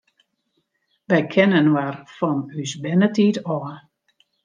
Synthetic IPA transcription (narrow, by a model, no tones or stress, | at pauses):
ʋɛjkʰɛnənwarfɔnysbɛnətitɔə